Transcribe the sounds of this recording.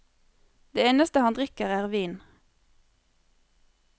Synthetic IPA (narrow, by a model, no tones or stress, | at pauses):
d̪̥eːeːnəst̪əhɑnd̪ʁɪkəʁæːʁʋiːn